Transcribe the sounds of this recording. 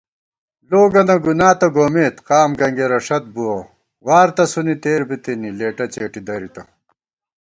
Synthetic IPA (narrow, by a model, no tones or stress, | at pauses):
loːɡɐnɐɡunaːt̪ɐɡoːmeːt̪qaːmɡɐŋɡeɾɐʂɐt̪̚buwɐ | waːɾt̪ɐsunit̪eːɾbit̪inileːʈɐt͡ɕeːʈid̪ɐɾit̪ɐ